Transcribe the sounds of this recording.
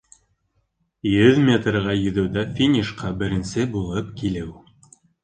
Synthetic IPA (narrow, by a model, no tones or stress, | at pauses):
jɵðmʲet̪rʁɑjɵ̆ðɵ̆wðæfʲinʲiʃqɑbɘ̆ɾɘ̆nsɘbulˠɤpkilɘw